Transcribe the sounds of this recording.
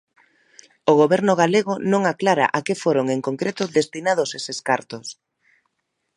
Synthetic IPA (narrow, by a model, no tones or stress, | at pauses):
oɣoβɛɾnʊɣ̞aleɣ̞ʊnõŋaklaɾa̰ʔakefoɾoŋeŋkoŋkɾet̪ʊðest̪inaðoseseskaɾt̪ʊs